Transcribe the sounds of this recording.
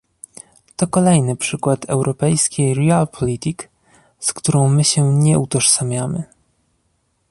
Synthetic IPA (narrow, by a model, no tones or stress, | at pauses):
t̪ɔkɔlɛjnɘpʂɘkwat̪ʰɛ̰wɾʔɔpɛjskʲejɾialpʰɔlʲit̪ʲik | skt̪uɾɔ̃w̃mɘɕɛɲɛut̪ɔʂsamʲjamɘ